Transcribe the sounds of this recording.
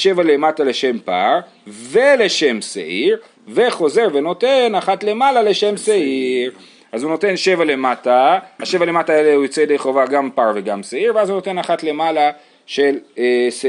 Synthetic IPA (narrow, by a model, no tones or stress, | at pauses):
ʃe̞vale̞matale̞ʃe̞mpa̰ʁ | vele̞ʃe̞msḛʔiʁ | ve̞χo̞ze̞ʁve̞no̞tenaχatle̞malale̞ʃe̞msaʔiʁ | ʔazuno̞te̞nʃe̞vale̞matahaʃe̞vale̞mataːeleujot͡sed̪ejχo̞vaɡampaʁve̞ɡamseiʁvazuno̞t̪e̞naχatle̞mala | ʃels